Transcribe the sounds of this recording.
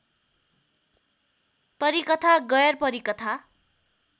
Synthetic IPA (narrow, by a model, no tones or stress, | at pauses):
pʌɾikʌt̪ʰaɡʌjʌrpʌɾikʌt̪ʰa